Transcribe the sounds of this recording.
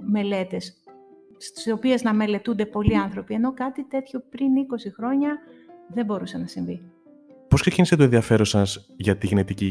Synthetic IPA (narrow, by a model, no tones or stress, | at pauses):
me̞le̞t̪e̞s | t̪i̥so̞pie̞znɐme̞le̞t̪und̪e̞po̞liɐnθɾo̞pie̞no̞kɐt̪it̪e̞t̪ço̞pɾiniko̞sixɾo̞ɲɐðe̞mbo̞ɾusenɐsiɱvi | po̞skse̞cinise̞t̪oenðiɐfe̞ɾo̞sɐz | ʝɐt̪iɣnet̪ici